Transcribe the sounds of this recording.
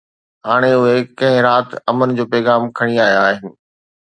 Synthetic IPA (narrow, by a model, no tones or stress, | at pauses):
ɦaːɽ̃eʊɦekɐ̃ɦɪ̃ɾaːt̪ɐmənɪ̆d͡ʑoːpɛːɣaːmkʰɐɽ̃iaːijaaːɦɪnɪ̆